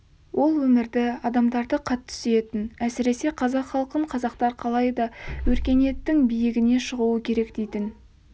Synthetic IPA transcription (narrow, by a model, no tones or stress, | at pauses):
wʔo̞lˠwɵmɪɾd̪ɪɑd̪ɑmd̪ɑɾd̪əqʰɑt̪ʰːʏ̥seet̪ɪnæsɪɾe̞se̞qʰɑzɑqχɑlˠqəɴqʰɑzɑqt̪ɑɾqʰɑlˠɑjd̪ɑwɵɾkʲe̞ne̞t̪ːɪŋbijɪɡʲɪne̞ʃəʁuwəkʲʰe̞ɾe̞kd̪e̞jt̪ɪn